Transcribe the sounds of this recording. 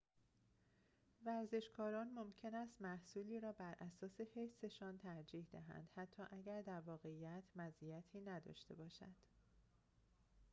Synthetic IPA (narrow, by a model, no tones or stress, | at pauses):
væɾze̞ʃkʰɒːɾɒːnmomcʰe̞næst̪mæhsuːliːɾɒːbæɾʔæsɒːse̞fe̞se̞ʃɒːnt̪ʰæɾd͡ʒiːhd̪æɦæ̰nd̪̥hæt̪ʰːɒːʔæɟæɾd̪æɾvɒːɣe̞iːjæt̪ʰmæzʔijæt̪ʰiːnæd̪ɒ̰ːʃt̪e̞bɒːʃæ̰d̪̥